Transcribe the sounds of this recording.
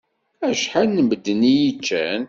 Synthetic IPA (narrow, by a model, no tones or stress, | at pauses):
æʃħanːəməd̪ːənijit͡ʃːæn